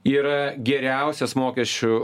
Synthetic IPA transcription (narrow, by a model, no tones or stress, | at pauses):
iːɾɐɡʲɛɾʲɛʊsʲɛsmoːkʲɛsʲt͡ʃʲʊ